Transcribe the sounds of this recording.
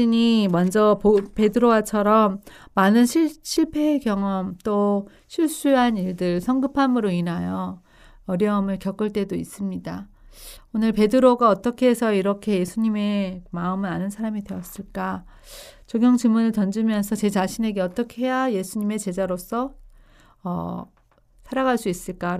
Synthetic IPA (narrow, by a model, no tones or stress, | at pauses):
iɲimʌnd͡ʑʌpope̞dɯɾowat͡ɕʰʌɾʌmːanɯnɕʰiɕʰiɭpʰe̞kjʌŋʌmt͈o | ɕʰiɭs͈uɦaniɭdɯɭsʰʌŋɡɯpʰamɯɾoinajʌ | ʌɾjʌɯmɯɭkjʌk͈ɯɭt͈e̞dois͈ɯmɲida | onɯɭpe̞dɯɾoɡaʌt͈ʌkʰe̞ːsʰʌiɾʌkʰe̞je̞sʰuɲime̞maɯmɯnanɯnsʰaɾamide̞ʌs͈ɯɭk͈a | t͡ɕoɡjʌŋt͡ɕɯmunɯɭtʌnd͡ʑɯmjʌnsʰʌt͡ɕe̞t͡ɕaɕʰine̞ɡe̞ʌt͈ʌkʰeɦe̞jaje̞sʰuɲime̞t͡ɕe̞d͡ʑaɾos͈ʰʌ | ʌ̰ | sʰaɾaɡaɭs͈uis͈ɯɭk͈a